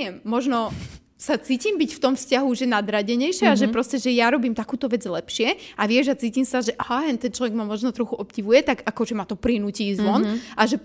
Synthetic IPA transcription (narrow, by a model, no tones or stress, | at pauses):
ɛmːɔʒnɔ | sat͡siːciːmbicft̪ɔmfscaɦuʒɛnad̪ɾaɟɛɲɛjʃɛaʒɛpɾɔscɛʒɛjaɾɔbiːmt̪akuːt̪ɔʋɛd͡zlɛpʃɪɛʔaʋɪɛʒat͡siːciːmsaʒɛʔaɦaɛnt̪ɛnt͡ʃlɔʋɛɡmamɔʒnɔt̪ɾɔxuʔɔpɟiʋujɛt̪aɡakɔʒɛmat̪ɔpɾinuciːzʋɔnʔaʒɛ